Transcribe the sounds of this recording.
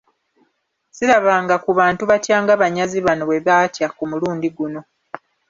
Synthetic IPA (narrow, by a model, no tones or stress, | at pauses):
siɾaβaːŋɡakuβaːntuβatjaːŋɡaβaɲaziβano̞βwe̞βaːtjakumuluːndiɡuno̞